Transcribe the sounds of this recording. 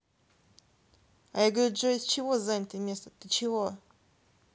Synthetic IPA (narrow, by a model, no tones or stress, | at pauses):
ajaɡəvɾʲut̪̚d͡ʒosʲt͡ɕɪvozanʲɪt̪əmʲe̞st̪əd̪̥ɨt͡ɕɪvo